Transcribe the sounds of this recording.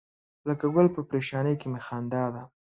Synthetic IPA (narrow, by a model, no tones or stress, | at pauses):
ləkaɡʊlpəpɾeʃɑnəjkemexand̪ɑd̪a